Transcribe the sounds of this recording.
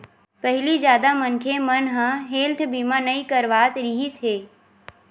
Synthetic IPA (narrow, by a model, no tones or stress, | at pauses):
pəɦɪlizjaːd̪amənkʰemənɦãɦeːlt̪ʰbiːmanəikəɾʋaːt̪ɾiɦisɦeː